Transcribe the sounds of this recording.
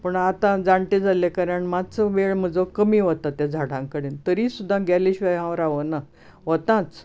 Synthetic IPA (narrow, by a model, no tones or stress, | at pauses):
pəɳat̪ãd͡zaɳʈed͡zʱalekaɾaɳmat͡səʋeɭm̤əd͡zokəmiːʋət̪at̪jãd͡zʱaɽãŋkəɽent̪əɾiːsud̪ʱːãɡɛliɕʋajãʋəɾaʋəna | ʋət̪ãt͡s